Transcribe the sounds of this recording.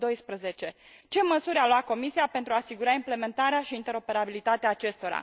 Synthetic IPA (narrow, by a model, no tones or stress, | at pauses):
d̪o̞jspɾəze̞t͡ʃe̞ | t͡ʃe̞məsuɾʲalwako̞misiape̞nt̪ɾuaːsiɡuɾaimple̞me̞nt̪aɾeaʃiːnt̪e̞ɾo̞pe̞ɾabilit̪at̪eaːt͡ʃe̞st̪o̞ɾa̰